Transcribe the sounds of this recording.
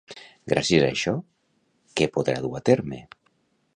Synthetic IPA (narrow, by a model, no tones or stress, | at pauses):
ɡɾʔa̰sjeza̰ʃɔ | kepoðɾa̰ðuβat̪eɾme